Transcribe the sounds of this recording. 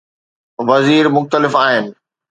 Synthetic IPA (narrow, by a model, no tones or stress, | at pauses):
ʋɐziːɾmʊxt̪əlɪfaːɦɪnɪ̆